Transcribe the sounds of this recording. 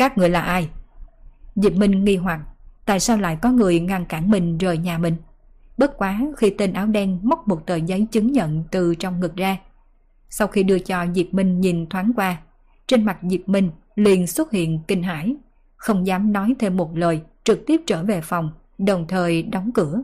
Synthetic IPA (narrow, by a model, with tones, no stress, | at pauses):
kaː˦˥k̚ŋɨ˨˩əjlaː˨˩ʔaː˧j | zi˨˩p̚mï˧ŋ̟ŋi˧ɦwa˨˩t̚t̪a̰ː˧˨jsaː˧wla̰ː˧˨jkɔ˨˦ŋɨ˨˩əjŋa˧ŋkaː˧˩nmï˨˩ŋ̟zəː˨˩jɲaː˨˩mï˨˩ŋ̟ | ɓə˦˥t̚kwaː˨˦xi˧t̪i˧nʔaː˨˦wɗɛ˧nmɔ˦˥k͡p̚mo˨˩t̚t̪əː˨˩jzə˨˦jt͡ɕɨ˨˦ŋɲə̰˧˨nt̪ɨ˨˩t͡ɕɔ˧wŋ͡mŋɨ˨˩k̚zaː˧ | sa˧wxi˧ɗɨ˧ət͡ɕɔ˧zi˨˩p̚mï˧ŋ̟ɲi˨˩nt̪ʰwaː˨˦nkwaː˧ | t͡ɕe˧nma˨˩t̚zi˨˩p̚mï˧ŋ̟ | lḭ˨˩ənswə˦˥t̚hḭ˧˨ənki˧ŋ̟ɦa̰ː˧˩j | xə˧wŋ͡mzaː˨˦mnɔ˨˦jt̪ʰe˧mːo˨˩t̚ləː˨˩jt͡ɕɨ˨˩k̚t̪i˦˥p̚t͡ɕəː˧˩ve˨˩fɔ˨˩wŋ͡m | ɗə˨˩wŋ͡mt̪ʰəː˨˩jɗɔ˨˦wŋ͡mkɨ˧˩ə